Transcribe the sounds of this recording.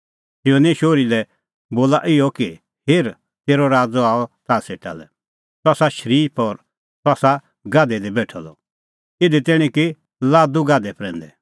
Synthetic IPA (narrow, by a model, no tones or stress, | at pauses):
ɪoneʃoːɾilɛ | boːlaʔɪɔki | heːɾ | t̪eːɾɔɾaːd͡zɔaːɔt̪aːseʈa̰lɛ̰ | t̪ɔsaʃəɾiːpɔɾ | t̪ɔsa | ɡaːd̪ɛd̪ibɛːʈʰɔlɔ̰ | ɪd̪it̪ɛɽ̃ĩki | laːd̪uɡaːd̪ɛpɾɛ̃ːnd̪ɛ